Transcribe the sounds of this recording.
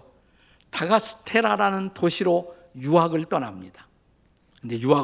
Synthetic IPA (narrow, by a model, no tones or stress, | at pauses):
ʌ | taɡasʰɯ̥tʰe̞ɾaɾanɯntoɕʰiɾo | juaɡɯɭt͈ʌnamɲid̥ḁ | kɯnd̪e̞jua